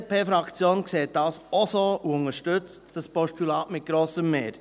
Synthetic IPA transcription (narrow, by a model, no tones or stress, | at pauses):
pʰeːfɾɑkt͡sjoːnkseːt̚d̥ɑːsɔsoːʔuʊnəɾʃtʏt͡sd̥əspɔʃtylɑːtmɪt̚ɡ̥ɾoːsəmmeːɾ